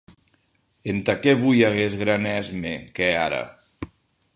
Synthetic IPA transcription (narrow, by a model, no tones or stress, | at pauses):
ent̪akɛβujaɣ̞ezɣɾanɛzmekɛaɾə̰